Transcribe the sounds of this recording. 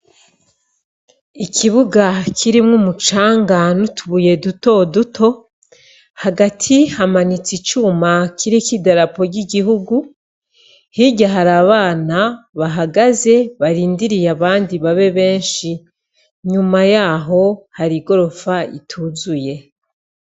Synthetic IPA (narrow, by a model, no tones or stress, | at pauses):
ikʰiβuɡakʰiɾimŋumut͡ʃaːŋɡanutʰuβuje̞duto̞dutʰo̞ | haɡatʰihamanit͡sit͡ʃuːmakʰiɾikidaɾapo̞ɾɟiɡiɦuɡu | hiɟaɦaɾaβaːnaβaɦaɡaze̞βaɾiːndiɾijaβaːndiβaβe̞βe̞ːnʃi | ɲumajaːɦo̞haɾiɡo̞ɾo̞faitʰuzuje̞